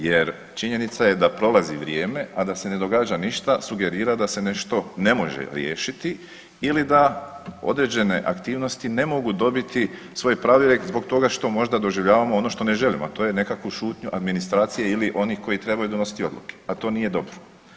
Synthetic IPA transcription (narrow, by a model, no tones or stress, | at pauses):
je̞ɾ | t͡ʃiɲe̞nit̪saje̞d̪apɾo̞lˠaziʋɾje̞ːme̞ʔad̪ase̞ne̞d̪o̞ɡaːd͡ʒaniʃt̪asuɡe̞ɾiːɾad̪ase̞ne̞ʃt̪o̞ne̞mo̞ʒḛɾje̞ːʃit̪i | ilid̪ao̞̰d̪ɾed͡ʑe̞ne̞ʔa̰kt̪iːʋno̞st̪ine̞mo̞ɡud̪o̞bit̪i | sʋo̞ːjpɾaːʋeɾekzbo̞ɡt̪o̞ɡaʃt̪o̞mo̞ʒd̪ad̪o̞ʒiʋʎaːʋamoo̞no̞ʃt̪o̞ne̞ʒe̞limoat̪o̞ːje̞ne̞kakʋuʃuːt̪ɲuʔad̪minist̪ɾaːt̪sijeiliʔo̞nihko̞jit̪ɾe̞bajud̪o̞no̞si̥t̪io̞d̪lˠṵke̥at̪o̞ːnije̞d̪o̞bɾo